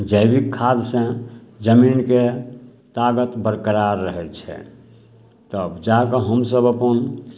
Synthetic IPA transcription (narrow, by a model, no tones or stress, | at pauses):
d͡ʒəjbikʰːad̪sẽd͡ʒəminke | t̪aɡət̪bəɾkəɾaɾːəɦɛt͡ʃʰɛ̰ | t̪əbd͡ʒakəɦəmsəbəpən